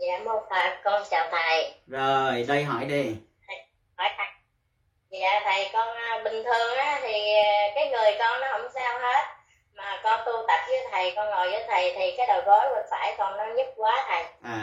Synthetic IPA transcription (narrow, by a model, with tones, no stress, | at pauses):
ja̰ː˧˨mu˧faː˨˩kɔ˧nt͡ɕaː˧˨˩wt̪a̰ː˧˨jzo˨˩jɗə˧jɦɔ˧˩jɗi˧t̪ʰə˨˩j | hɔ˧˩˦jtʰa˨˦ŋ̚ | za̰ː˧˨t̪ʰə˨˩jkɔ˧nː˧ɓï˨˩ŋ̟t̪ʰɨ˨˩əŋʔaː˨˦t̪ʰi˨˩kaː˨˦jŋɨ˨˩əjkɔ˧nːɔ˨˦ɦə̰˧˩wŋ͡msaː˧whe˦˥t̚ | maː˨˩kɔ˧nt̪u˧əŋt̪ə˨˩p̚zɨ˧˦t̪ʰə˨˩jkɔ˧nŋo˨˩jzɨː˧t̪ʰə˨˩jt̪ʰi˨˩kaː˨˦jɗo̰˨˩jɣo˨˦jvə̰˧˩˦nfaː˧˩jkɔ˧nːɔ˨˦ɲu˦˥p̚kwaː˨˦t̪ʰə˨˩j